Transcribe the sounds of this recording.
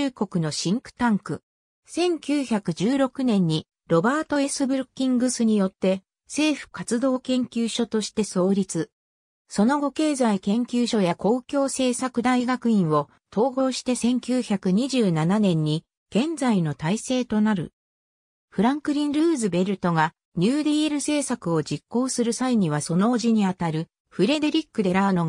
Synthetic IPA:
ɨːko̞kɯ̟no̞ɕĩŋkɯ̟̥t̪ãŋkɯ̟ | sẽ̞ŋkʲɨːçakɯ̟d͡ʑɨːɾo̞kɯ̟nẽ̞ɲ̟ːi | ɾo̞baːt̪o̞e̞sɨbɯ̟ɾɯkʲːĩŋɡɯsɨɲ̟ijo̞t̪ːe̞ | se̞ːɸɯ̟̥kat͡sɨd̪o̞ːkẽ̞ŋkʲɨːɕo̞t̪o̞ɕi̥t̪e̞so̞ːɾʲit͡sɨ | so̞no̞ɡo̞ke̞ːzaikẽ̞ŋkʲɨːɕo̞jako̞ːkʲo̞ːse̞ːsakɯ̟d̪aiɡakɯ̟ĩɰ̃o̞ | t̪ʰo̞ːɡo̞ːɕi̥t̪e̞sẽ̞ŋkʲɨːçakɯ̟ɲ̟iʑɨːnananẽ̞ɲ̟ːi | ɡ̥ẽ̞nd͡zaino̞t̪aise̞ːt̪o̞naɾɯ̟̰ | ɸɯ̟ɾãŋkɯ̟ɾʲĩnɾɯ̟ːzɨbe̞ɾɯ̟t̪o̞ɡa | ɲɨːd̪eeɾɯ̟se̞ːsakɯ̟o̞d͡ʑikːo̞ːsɨɾɯ̟saiɲ̟iβaso̞no̞ːʑiɲ̟iat̪aɾɯ̟ | ɸɯ̟ɾe̞d̪e̞ɾʲikːɯ̟d̪e̞ɾaɯ̟no̞

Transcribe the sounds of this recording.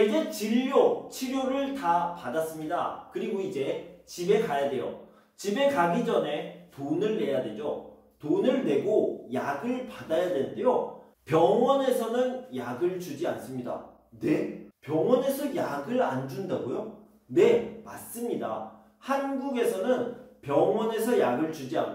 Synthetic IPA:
d͡ʑe̞t͡ɕiʎːot͡ɕʰiɾjoɾɯɭtapadas͈ɯmɲidakɯɾiɡoid͡ʑe̞t͡ɕibe̞kajadwe̞jʌ̰ | t͡ɕibe̞kaɡid͡ʑʌne̞tonɯɭːe̞jadwe̞d͡ʑo | tonɯɭne̞ɡojaɡɯɭpadajadwedejo | pjʌŋwʌne̞sʰʌnɯnjaɡɯɭt͡ɕud͡ʑians͈ɯmɲida̰ | ne̞pjʌŋwʌne̞sʰʌjaɡɯɾand͡ʑundaɡojo | ne̞ma̰s͈ɯmɲida̰ | hanɡuɡe̞sʰʌnɯnpjʌŋwʌne̞sʰʌjaɡɯɭt͡ɕud͡ʑia̰n

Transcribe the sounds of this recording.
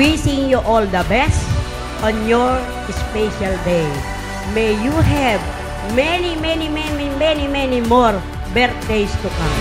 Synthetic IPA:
wisɪ̃ŋjuʔɔld̪ɐbɛs | ɔ̃njɔɹ | ɪspɛʃald̪ej | mejjuɦɛv | mɛnimɛnimɛmimɛnimɛnimɔɹ | bɛɹt̪̚d̪ejst̪ukã̰m

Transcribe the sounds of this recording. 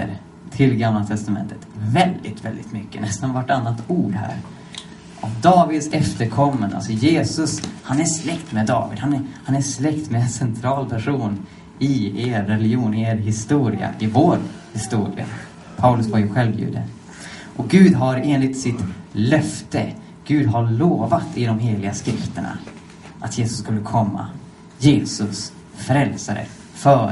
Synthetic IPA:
ə̰ɾ | t̪ʰɪlɡamlat̪ʰɛst̪amɛ̰nt̪ʰə̥t̪vɛld̪ɪ̰t̪vɛ̰ld̪ɪt̪mʏkːə̰nɛst̪anvaʈːanːat̪uːɖɦæ̰ːɾ | ʔavd̪ɑːvɪd̪sɛft̪əɾkʰɔmːənd̪a̰lsɔjeːsɵshanæslɛkt̪mɛd̪ɑ̰ːvɪ̰d̪hanæhanæslɛkt̪mɛɛnsɛnt̪ʰɾɑːlpʰæʂuːn | ɪeːɾːɛlɪjuːnɪeːɾɦɪst̪uːɾɪ̰a̰ʔɪvoːɾhɪst̪uːɾɪ̰a̰ | pʰaʊlɵsvaɾjɵɧɛlvjʉ̰ːd̪ə̰ | ʔɔɡʉ̟ːd̪ɦaɾeːnlɪt̪sɪt̪lœft̪ə̰ | ɡ̥ʉ̟ːd̪ɦaɭoːvat̪ɪd̪ɔmɦeːlɪɡaskɾɪft̪əɳa̰ | ʔat̪jeːsɵ̥sːkɵlːəkʰɔmːa̰ | jeːsɵs | fɾɛlsaɾə̰ | fœː

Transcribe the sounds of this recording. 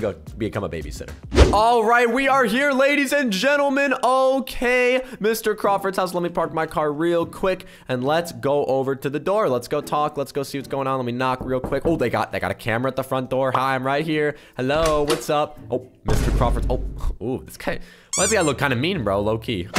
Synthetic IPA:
ɡoʊbɨkʰʌ̃məbḛɪbḭsɛ̰̃ñə̰˞ɔlˠɹaɪt̚wiə˞ɦiɹleɪɾizɨ̃nd͡ʒɛ̃ɾ̃l̩ˠmɨ̃noʊkʰeɪmɪstə˞kʰɹ̥ɑfə˞tsaʊslɛt̚mipʰɑɹt̚maɪkʰɑɹɹilˠkʰw̥ɪk | ɨ̃nlətsɡ̥oʊʔoʊvə˞ɾɨðɨdɔɹlətsɡ̥oʊtʰɔklətsɡ̥oʊsiwʌtsɡ̥oʊɪ̃ŋə̃nlɛt̚minɑkɹilˠkʰw̥ɪkoʊðeɪɡɑ̰t̚ðeɪɡɑ̰ɾɨkʰæ̃mə˞ɨət̪̚ðəfɹʌ̃nd̥ɔɹhaãɪ̃mɹaɪt̚hiɹhɛloʊwʌtsʌp̚ʔoʊ | mɪstə˞kʰɹ̥ɑ̰fə˞tsoʊuðætskʰãɪ | lɛt̚biaɪlʊkʰãɪ̃ndɨmĩnbɹoʊloʊkʰi

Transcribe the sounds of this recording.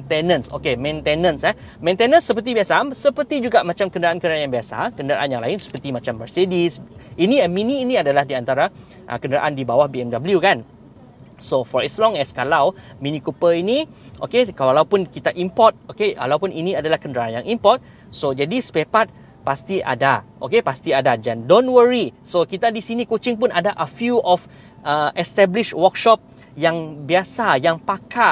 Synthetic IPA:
nt̪ɛnə̃nso̰kemɛ̃nt̪enə̃nsɛ | mɛ̃nt̪enə̃nsːəpərt̪̬ibiasasəpərt̪id͡ʒuɡaʔmãt͡ʃamkəndəɾaʔankəndəɾanjaŋbiasa̰kəndəɾa̰ʔanjãŋla̰ɪnsə̥pət̪imãt͡ʃambəsedisinĩɛnmĩnĩːnĩadalahdiant̪aɾa | ʔə̰kəndəɾa̰ʔandibawahbiɛmdabəljukan | sofɔɹɛslɔ̃ŋɛskalawmĩnikupəiniʔo̰kekwalawpʊnkit̪aʔimpɔt̪̚okewa̰lawpʊnʔiniadalahkəndəɾaʔanjaŋimpɔt̪̚ | sod͡ʒadispepat̪̚ | past̪iʔa̰daʔo̰kepast̪iadad͡ʒandõnwəɹisokit̪adisinikot͡ʃɪŋp̬ʊnadaʔəfjuɔf | ʔəɛst̪ɛbliʃwəkʃɔp̚ | jaŋbiasajaŋpaka

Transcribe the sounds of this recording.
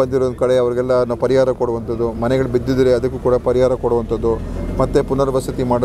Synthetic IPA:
ɐnd̪iɾoːnkɐɽe̞ɐʋɐɾiɡɛlːɐnɐpɐɾiɦaːɾɐkoɽuʋɐnt̪ɐd̪ːumɐnɛɡɐɭbid̪ːid̪ɾeɐd̪ɐkːukuːɽɐpɐɾiɦaːɾɐkoɽuʋɐnt̪ɐd̪ːumɐt̪ːepunɐɾɐʋɐsɐt̪imaːɽ

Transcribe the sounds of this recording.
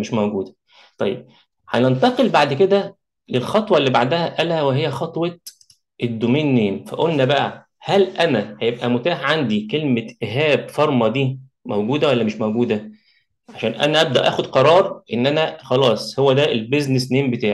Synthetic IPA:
meʃmæwɡuːd̪æ | t̪ˤɑ̰jːeb̚ | ħænent̪ɑqelbaʕd̪ked̪æ | lelxɑt̪ˤwɑlːibaʕd̪æhæʔælhæweɦejːæxɑt̪ˤwɑt̪ | ʔed̪ːomeːnːeːnfæ̰ʔolnæbæʔæ̰ | hælʔænæhæjebʔæmot̪aːħʕand̪ikelmeʔeɦæːb̚fɑɾˤmɑd̪iː | mowɡuːd̪æwælːæmeʃmowɡuːd̪æ | ʕaʃæːnʔæ̰næʔæb̚d̪æʔæ̰ːxod̪qɑɾˤɑːɾˤʔenːʔænæxɑlɑːsˤhowːæd̪æelbeznesneːmbet̪aːʕi

